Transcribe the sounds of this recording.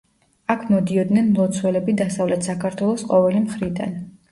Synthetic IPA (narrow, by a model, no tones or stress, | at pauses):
akʰmɔd̪iɔd̪nɛnmlˠɔt̪sʰwɛlɛbid̪asavlɛt̪ʰsakʰaɾt̪ʰwɛlˠɔsqʼɔvɛlimχɾid̪a̰n